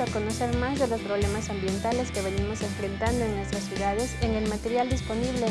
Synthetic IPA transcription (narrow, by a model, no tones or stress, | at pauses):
ako̞no̞se̞ɾmazðe̞lo̞spɾo̞β̞le̞masambje̞nt̪ale̞ske̞βe̞nimo̞se̞ɱfɾe̞nt̪and̪oenwest̪ɾasyðaðe̞se̞ŋe̞lmat̪e̞ɾjald̪ispo̞niβle̞